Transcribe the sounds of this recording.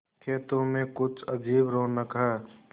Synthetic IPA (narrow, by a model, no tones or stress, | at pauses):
ket̪omẽkʊt͡ʃʰəd͡ʒiːbɾonəkɦɛ